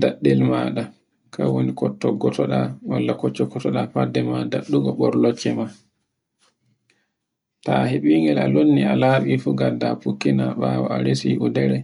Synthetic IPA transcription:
daɗːɛlmaɗa | kʰawonikɔtːɔɡɔtɔɗawalːakɔt͡ʃːɔkɔtɔɗapadːɛmadaɗːuɡɔɓɔɾlɔt͡ʃːɛma | taheɓiŋɡɛlalonːialaːɓifuɡadapukːinaɓawɔaɾesiʔɔdɛɾɛ

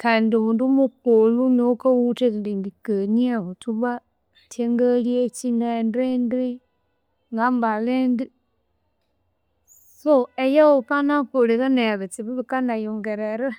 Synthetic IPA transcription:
kandioβundumukolunokawutekiliŋɡikəniaotuβa | tʰeŋɡaliet͡ʃinaendendi | ŋɡambalendi | soejaopanakolikaneaβet͡siβiβikanajoŋɡeɾeɾa

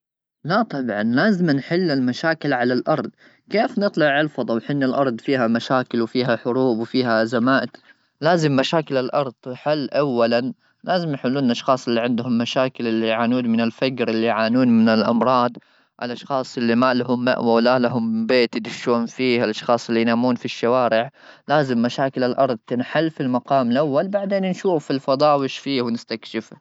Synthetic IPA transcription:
lat̪ˤɑbʕɑnlaːzɪmnħɪlːɪlmaʃaːkɪlʕalalʔɑɾˤd̪ˤ | keːfnɨt̪ˤlɑʕɪlfɑd̪ˤɑwħɪnːalʔɑɾˤd̪ˤfiːɦamaʃaːkɪlwfiːɦaħʊɾuːbwfiːɦazamaːʔt̪ | laːzɪmːaʃaːkɪlɪlʔɑɾˤd̪ˤħɪlːʔawːalan | laːzɪmnħʊlːuːnɪnʔɑʃxɑːsˤɪlːiʕɪnd̪hʊmːaʃaːkɪlɪlːijʕaːnuːnmɪnɪlfad͡ʒɾʔɪlːijʕaːnuːnmɪnɪlʔɑ̰mɾˤɑːd̪ˤ | ʔɪlʔɑʃxɑːsˤʔɪlːimaːlaɦʊmːa̰ʔwawlalaɦʊmbeːt̪jɪd̪ɪʃːuːnfiːhɪlʔɑʃxɑːsˤɪlːijnaːmuːnfiʃːawaːɾɪʕlaːzɪmːaʃaːkɪlalʔɑɾˤd̪̚ˤt̪ɪnħalːfilmaqɑːmɪlʔawːalbaʕd̪eːnnʃuːfːilfɑd̪ˤɑːwɪʃfiːhwnɪst̪akʃɪf

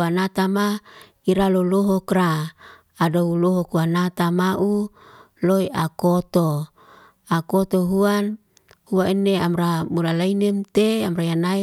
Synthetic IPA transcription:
anat̪ama | iɾaloloɦɔkraː | douloɦɔkuwanat̪amaʔu | loiʔakot̪o | akot̪oɦuan | huainːeamramulalainemt̪eamrajanai

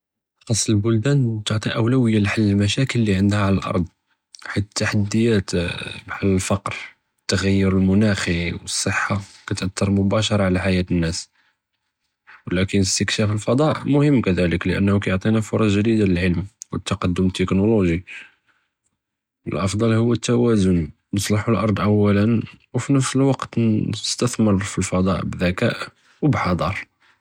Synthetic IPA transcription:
xɑsˤːlbʊld̪ænt̪oʕt̪ˤiʔəwlæwəjːalħalːəlmæʃækəlːiʕənd̪hæʕaləlʔɑ̰ɾˤd̪ˤ | ħit̪ət̪ːaħad̪ːəjːæt̪bħalːəlfɑqɾ | ət̪ːaɣæjːʊɾəlmʊnæxiwəsˤːəħːakæt̪ʔət̪ːɑɾˤmʊbæʃɑɾˤɑʕlaħajæt̪ənːæs | wlækənəst̪əkʃæfəlfɑd̪ˤɑʔmʊhəmːkæd̪æləkləʔə̰nːhukæjoʕt̪ˤinæfʊɾˤɑʒəd̪id̪aləlʕəlmwət̪ːɑqɑd̪ːʊmt̪ːəknoloʒi | əlʔɑfd̪ˤɑlhʊwːət̪ːæwæzʊn | nəsˤlɑħulʔɑɾˤd̪ˤʔəwːælənwfinəfsəlwɑqt̪əst̪əθməɾˤfilfɑd̪ˤɑ̰ʔbðækæ̰ʔ | wbħɑd̪ˤɑɾˤ

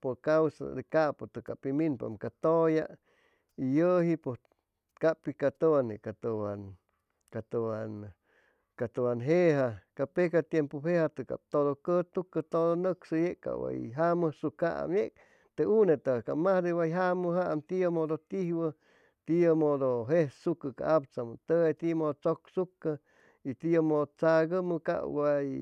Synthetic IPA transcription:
pokawsa̰d̪ekapot̪ɨkapiminpa̰mkat̪oja | ijəɦipo | kapikat̪owanekat̪əwan | kat̪owan | kat̪uwanɦeɦakapekat̪jempopehat̪ɨka̰p̚t̪oðokət̪ukːət̪odonəksɨjeʔka̰wa̰jɦamɨsuka̰ʔa̰mjek̚ | t̪eunet̪aka̰mahd̪ewajɦaməɦaamt̪iamod̪ot̪ihwə | t̪iamod̪oɦehsukəka̰ʔapt͡samət̪əet̪imod̪ot͡soksukːə | it̪ijamod̪ot͡saɡəməka̰waj

